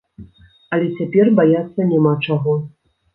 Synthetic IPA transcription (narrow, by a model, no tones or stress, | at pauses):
ɐlʲɛt͡sʲapʲɛrbajat̪sːɐnʲamat͡ʂaɣɔ